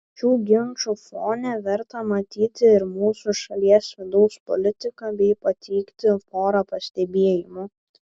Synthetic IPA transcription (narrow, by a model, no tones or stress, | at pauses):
ʃʲuːɡʲɪnt͡ʃufoːnʲɛʋʲɛɾt̪ɐmɐt̪ʲiːt̪ʲɪɪɾmuːsuʃɐlʲiɛsʋʲɪd̪ɒʊspɔ̰lʲɪt̪ʲɪkɐbʲɛɪpɐt̪ʰʲɛɪkt̪ʲɪfoːɾɐpɐsʲt̪ʲɛbʲeɛjɪmʊ